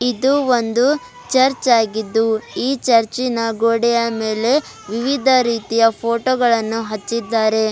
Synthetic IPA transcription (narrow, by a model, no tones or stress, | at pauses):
id̪uond̪u | t͡ʃɐɾt͡ʃaːɡid̪ːuiːt͡ʃɐɾt͡ʃinɐɡoːɽɛjɐmeːle̞ | ʋiʋid̪ʱɐɾiːt̪ijɐpʰoːʈoːɡɐɭɐnːuɦɐt͡ʃːid̪ːaːɾe̞